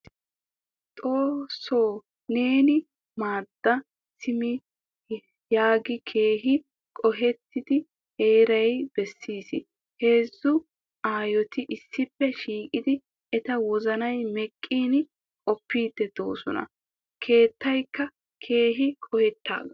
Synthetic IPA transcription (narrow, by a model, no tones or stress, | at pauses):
t̪ʼo̞ːso̞ː | ne̞ːnɪ | maːd̪̥ːɐ | sɪmɪ | jaːɡɪkʰe̞ːɦɪ | kʼɔɦɛt̪ːɪd̪ɪ | heːɾɐjbɛsːiːsɪ | he̞ːzːʊ | aːjɔt̪ɪʔɪsːɪpːɛʃiːkʼɪd̪ɪ | ɛt̪ɐwɔzɐnɐjmɛkʼːiːn | kʼɔpːiːd̪ːɛd̪̥o̞̰ːsɔnɐ̰ | kʰe̞ːt̪ːɐjkːɐ | kʰe̞ːɦɪkʼɔhɛt̪ːa̰ːɡɐ